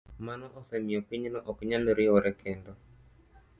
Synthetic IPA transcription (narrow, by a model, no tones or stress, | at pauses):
manɔʔɔsɛmiɔpiɲnɔʔɔkɲalɔɾiɔɾɛkʰɛndɔ